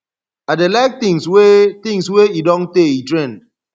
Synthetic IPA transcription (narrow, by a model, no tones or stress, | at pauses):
adelaɪk̚t̪ĩŋswet̪ĩŋsweidɔ̃nteitɹɛ̃nd